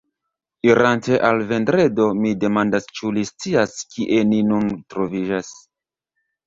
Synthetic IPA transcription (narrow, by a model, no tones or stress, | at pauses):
iɾante̞ʔalve̞ndɾe̞domide̞mandast͡ʃulist͡siaskʰiʔe̞ninuntɾo̞vid͡ʒas